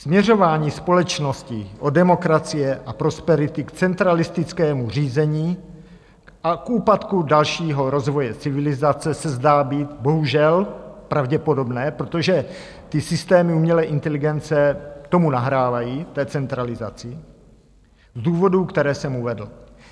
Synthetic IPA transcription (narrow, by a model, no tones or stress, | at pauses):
smɲɛro̞vaːɲiːspo̞lɛt͡ʃno̞scɪʔo̞dɛmo̞kɾat͡sɪjɛʔapɾo̞spɛɾɪt̪ɪkt͡sɛnt̪ɾalɪst̪ɪt͡skɛːmur̝iːzɛɲiː | akʔuːpat̪kudalʃiːɦo̞ɾo̞zvo̞jɛt͡sɪvɪlɪzat͡sɛsɛzdaːbiːt̪bo̞ɦuʒɛlpɾavɟɛpo̞do̞bnɛːpɾot̪o̞ʒɛ | t̪ɪsɪst̪ɛːmɪumɲɛlɛːʔɪnt̪ɛlɪɡɛnt͡sɛt̪o̞munaɦɾaːvajiːt̪ɛːt͡sɛnt̪ɾalɪza̰t͡sɪ | zduːvo̞dukt̪ɛɾɛːsɛmuvɛdl̩